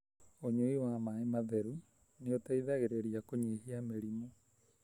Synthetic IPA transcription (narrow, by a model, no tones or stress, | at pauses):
oɲoiwamaemaðɛɾu | neotaiðaɣeɾeɾiakoɲeɦiameɾimo